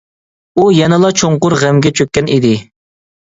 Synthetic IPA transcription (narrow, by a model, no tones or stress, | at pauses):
ujɛnɨlˠɑt͡ʃʰoɴqʊɾʁæmɡʲɛt͡ʃʰøkʲːɛnid̪ɪ